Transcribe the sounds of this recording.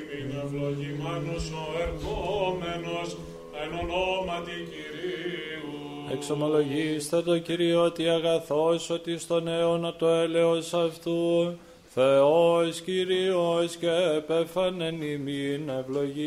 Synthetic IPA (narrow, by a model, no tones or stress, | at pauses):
nevloʝimɐnosoeɾɣomenos | enonomɐt̪iciɾiu | ekso̞mo̞lo̞ʝist̪e̞t̪o̞ciɾio̞t̪iɐɣɐθo̞so̞t̪ist̪o̞neonɐt̪o̞e̞le̞o̞sɐft̪u | θeosciɾioscepefɐne̞niminevlo̞ʝi